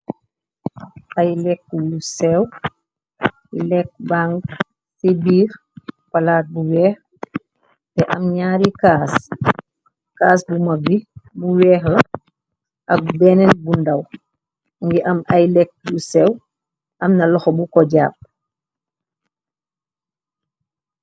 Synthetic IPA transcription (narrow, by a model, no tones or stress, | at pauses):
ʔɐjlɛk̚ːjusɛw | lɛk̚baŋɡ | sibiːɾ | walaːt̚buwɛːx | tɛʔɐmɲaːɾikaːs | kaːs̬bumɐbibuwɛːxlɐ | ʔɐk̚bɛnɛnbundɐw | ŋɡiʔɐmajlɛk̚jusɛw | ʔɐmnɐlɔxɔbukɔɟaːp̚